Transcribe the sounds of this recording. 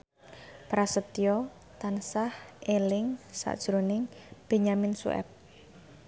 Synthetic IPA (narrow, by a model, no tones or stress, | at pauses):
pɾasət̪ijɔ | t̪ansahʔelɪŋsa̰ʔd̥ʒ̥ɾonɪŋb̥e̤ɲamɪnsṵʔɛ̰p̚